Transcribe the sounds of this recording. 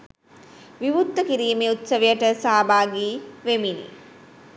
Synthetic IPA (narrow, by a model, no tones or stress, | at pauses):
ʋiʋut̪ːəkiɾiːmeut̪səʋejəʈəsaːbaːɡiːʋeminḭ